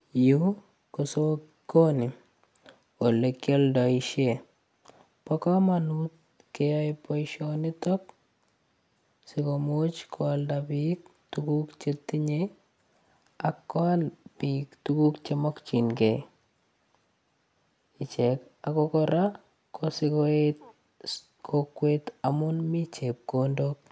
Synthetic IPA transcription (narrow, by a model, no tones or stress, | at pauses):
ju | koso | konɪ | olekjɔldɔiʃe | pɔkɔmanut̪̚ | kejɔjpɔjʃonɪt̪ɔk̚ | sikomot͡ʃkʰɔldapik̚tukukt͡ʃet̪iɲe | akːɔalpiktukukt͡ʃemɔkt͡ʃinɡe | ɪt͡ʃɛkakɔkɔɾa | kʰɔsɪkɔet | kʰokːwet̪amunmit͡ʃep̚kondok̚